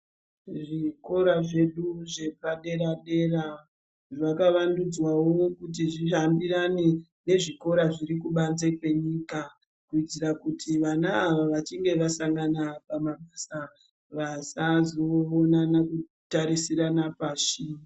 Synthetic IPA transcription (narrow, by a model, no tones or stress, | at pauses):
ʐiko̞ɾaʐe̞ɗuʐe̞paɗe̞ɾaɗe̞ra | ʋakaʋandud͡zwawo̞kut̬iʐiambiɾane | ne̞ʐiko̞ɾaʐirikuɓand͡zekwe̞ɲiːka | kuid͡zirakutʰiʋanaːʋaʋat͡ʃiŋɡe̞ʋasaŋɡanapamaɓasa | ʋasazo̞ːnanaku | taɾisiɾanapaʃiː